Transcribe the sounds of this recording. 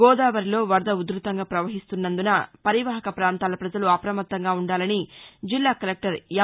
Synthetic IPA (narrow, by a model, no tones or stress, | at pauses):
ɡɔːd̪aːʋɐɾilo̞ːʋɐɾd̪ɐud̪ɾut̪ɐŋɡaːpɾɐʋɐɦist̪unːɐnd̪unɐpɐɾiʋɐɦɐkɐpɾaːnt̪aːlɐpɾɐd͡ʒɐluɐpɾɐmɐt̪ːɐŋɡaːuɳɖaːlɐnid͡ʒilːaːkɐlek̚ʈɐɾjɐ